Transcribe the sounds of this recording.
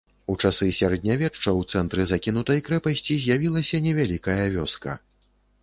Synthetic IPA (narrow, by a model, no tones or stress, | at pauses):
ut͡ʂasɨsʲaɾɐd̪ʲnʲavʲɛʂt͡ʂɐwt̪sɛnt̪ɾɨzakʲinut̪ɐjkɾɛpɐsʲt͡sʲizʲjavʲilˠɐsʲɐnʲɛvʲalʲikɐjɐvʲɔskɐ̰